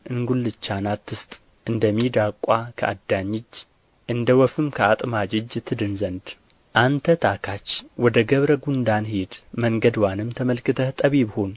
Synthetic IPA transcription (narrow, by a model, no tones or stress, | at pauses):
ʔɨŋɡulːɨt͡ʃːanat̪ʰːɨst̪ʼ | ʔɨnd̪əmːid̪akʼːakʰə̰ʔa̰d̪ːaɲːɪd͡ʒ | ʔɨnd̪əwɔfɨmkʰəat̪ʼmad͡ʒɪd͡ʒt̪ʰːɨd̪ɨnzənd̪ | ʔant̪ʰət̪ʰakʰat͡ʃːwɔd̪əɡəβɾəɡund̪anhed̪məŋɡəd̪wanɨmt̪ʰəməlkɨt̪ʰət̪ʼəβibəhon